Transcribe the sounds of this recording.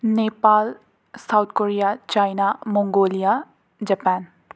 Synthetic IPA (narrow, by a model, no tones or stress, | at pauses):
neːpaːl | saʊt̪ʰkoːɾijat͡ʃaːɪnamõːŋɡoːlija | d͡ʒɐpaːn